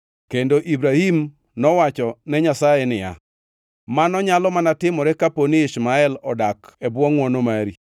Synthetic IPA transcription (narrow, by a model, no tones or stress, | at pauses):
kendoʔibɾahim | nɔwat͡ʃɔnɛɲasajɛnɪja̰ | manɔɲalɔmanatɪmɔɾɛkaponiiʃmaɛlɔdakɛbwɔŋwɔnomaɾi